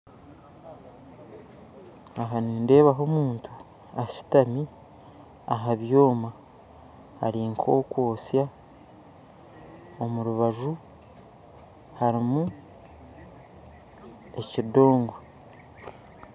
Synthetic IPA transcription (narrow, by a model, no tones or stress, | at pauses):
aɦaniːnde̞ːβaɦo̞muːntʰu̥ | asi̥tami | a̰ɦaβjo̞ːma̰ː | ɾiːŋkʰo̞ːkwoːsja | omuɾuβaʒu | haɾimu | e̞cido̞ːŋɡo